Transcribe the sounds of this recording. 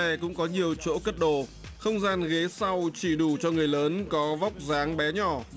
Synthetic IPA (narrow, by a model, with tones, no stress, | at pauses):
ɛ˧˩kʊ̰˧˥ŋ͡mkɔ˨˦ɲi˨˩əwt͡ɕo̰˧˥kə˦˥t̚ɗo˧˩ | xə˧wŋ͡mzaː˧nɣe˨˦sa˧wt͡ɕi˧˩ɗu˧˩t͡ɕɔ˧ŋɨ˨˩əjləː˨˦nkɔ˨˦va˦˥wk͡p̚zaː˨˦ŋɓɛ˨˦ɲɔ˧˩